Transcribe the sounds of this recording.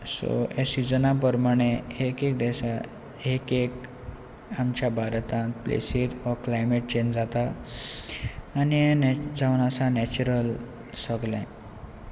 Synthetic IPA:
so̰esid͡zənap̬əɾmaɽ̃eekek̚d̪ɛɕa | ɦekek | amt͡ɕjabʱaɾt̪ãt̪plḛsiɾɔklajmeʈ̚t͡ɕend͡zat̪a | niẽnd͡zawnasanɛt͡ɕuɾəl | səɡlɛ̰̃

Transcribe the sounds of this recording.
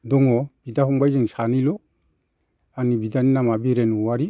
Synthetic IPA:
doŋob̥idafumbad͡ʒinsanilo | anibidaninamabiɾenuwaɾi

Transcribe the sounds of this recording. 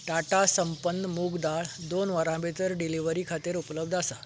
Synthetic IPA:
ʈaʈasəmpənːmuɡd̪aɭd̪onʋəɾãbet̪əɾɖiliʋəɾikʰat̪iːɾupləbd̪ʱasa

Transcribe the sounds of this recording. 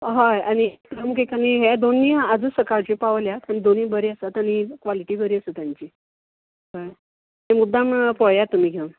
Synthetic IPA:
ɦajaɽ̃it̪əmkekaneɦed̪onːiːad͡zəsəkaɾt͡ɕepaʋljat̪aɽ̃id̪oniːbəɾeəsat̪aɽ̃ikʋaliʈiːbəɾiːəsət̪jaɲt͡ɕiː | ɦaj | ɦemud̪ʱːampəɭjat̪ːum̤iːɡʱem

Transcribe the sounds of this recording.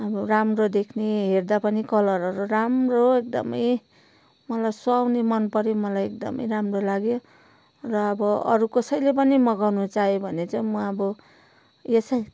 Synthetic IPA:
ʌbʌramrod̪ekʰneɦerd̪apʌnikʌlʌɾʌɾuramroek̚d̪ʌ̰mʌj | mʌlajsoawnemʌnpʌɾimʌlajek̚d̪ʌ̰mʌ̰jɾamrolaɡjo | rʌːbʌʌ̰ɾukʌsʌjlep̬ʌnimʌɡawnut͡sajobʱʌnet͡sʌj̃mʌʌbʌ | esʌj

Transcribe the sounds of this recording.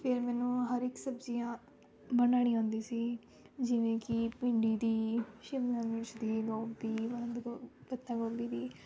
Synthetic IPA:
pʰɪɾmɛːnũːɦəɾɪksəbziːãː | bənaːɽ̃iːɦõːnd̪iːsiː | d͡ʒɪʋẽːkɪpɪ̃ɳɖiːd̪iːʃɪmlãːmɪt͡ʃd̪iːɡoːbiːbənd̪bət̪ːãːɡõːbiːd̪iː

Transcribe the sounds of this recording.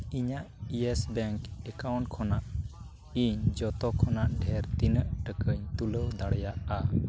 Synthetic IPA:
iɲaʔiesbɛŋkɛkawɳʈkʰɔnaʔ | iɲd͡ʒɔt̪ɔkʰɔnaʔɖʱɛɾt̪inəʔʈəkəɲt̪uləwd̪aɽɛjaʔa

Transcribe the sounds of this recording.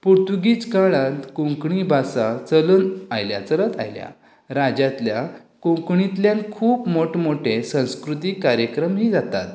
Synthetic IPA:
puɾt̪uɡit͡skaɭãt̪kõŋkɳibʱasat͡sələnajlja̰t͡sələt̪a̰jlja̰ | ɾad͡ʑat̪lja | kõŋkɳit̪ljãnkʰuːpmoʈmoʈʰesə̃w̃skɾut̪iːkaɾjəkɾəmɦiːd͡zat̪a̰t̪

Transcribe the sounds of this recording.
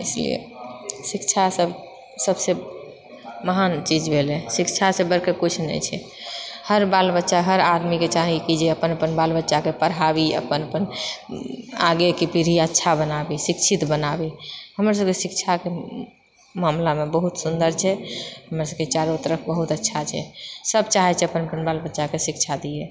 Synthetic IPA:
ḭslḭḛsikt͡ʃʰasəb | səbse | məɦant͡ʃid͡ʒbʱelɛsikt͡ʃʰasebəɾkəkut͡ʃʰnɛ̰jt͡ʃʰɛ | həɾbalbətːʃaɦəɾad̪miket͡ʃaɦikid͡ʒeəpənəpənbalbətːʃakepəɾɦabiə̰pənəpən | a̰ɡekipiɾiətːʃʰabənabisikt͡ʃʰit̪bənabihəmɾs̬əbkesikt͡ʃʰake | mamlamebəɦut̪sund̪əɾt͡ʃʰɛɦəmɾasəb̚ket͡ʃaɾot̪əɾəpʰbəɦut̪ətːʃʰat͡ʃʰɛ̰səbt͡ʃaɦɛt͡ʃʰɛəpənəpənbalbətːʃakesikt͡ʃʰad̪ijɛ

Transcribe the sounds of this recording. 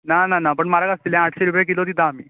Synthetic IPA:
nananapəɳmaɾakast̪ilɦɛ̃aʈʰɕeɾupjk̬ilot̪̬it̪aːmi

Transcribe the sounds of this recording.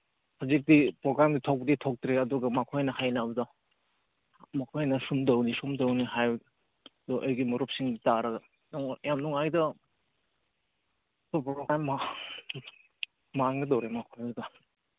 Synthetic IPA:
hazik̚dipɾoɡɾamditʰok̚ditʰok̚tɾeɐduɡɐmakʰojnɐhajnɐbɐdɐ | mɐkʰojnɐsumdɐwnisumdɐwniɦaj | dɔʔajɡimuɾup̚siŋditaɾɐɡɐ | nɔŋjamnuŋajdɐ | tɔpɾoɡɾamːa | aŋɡɐdowɾemakʰojdɐ

